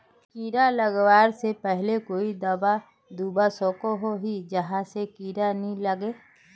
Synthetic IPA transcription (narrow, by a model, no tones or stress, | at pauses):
kiːɾaləɡwaːɾsepɛɦlekoːid̪ɐba | d̪uːbasõːkoɦoɦid͡ʒəɦãsekiːɾaniləɡeː